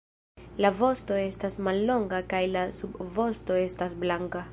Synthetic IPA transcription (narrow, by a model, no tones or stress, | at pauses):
lavo̞sto̞e̞stasmalːo̞ŋɡakajlasubvo̞sto̞e̞stasblaŋka